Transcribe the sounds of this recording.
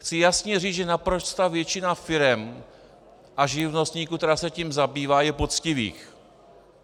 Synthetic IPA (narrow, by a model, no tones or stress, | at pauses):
xt͡sɪjasɲɛriːt͡sʒɛnapɾost̪aːvjɛt͡ʃɪnafɪɾɛm | ʔaʒɪvno̞st̪ɲiːkukt̪ɛɾaːsɛciːmzabiːvaːjɛpot͡scɪvḭːx